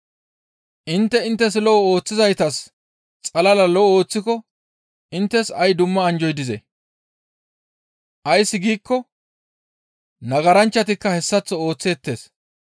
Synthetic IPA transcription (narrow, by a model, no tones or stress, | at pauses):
ʔɪnt̪ːɛɪnt̪ːɛs̬lɔɔo̞ːt͡sːɪzɐjt̪ɐs | t͡sʼɐlɐlɐlɔo̞ːt͡sːɪkɔ | ʔɪnt̪ːɛsɐjd̪ʊmːɐːnd͡ʒɔjd̪ɪzɛ̰ | ʔɐjsːɪɡiːkːɔ | nɐɡɐɾɐnt͡ʃːɐt̪ɪkːɐhɛsːɐt͡sːɔo̞ːt͡sːeːt̪ːe̞ːs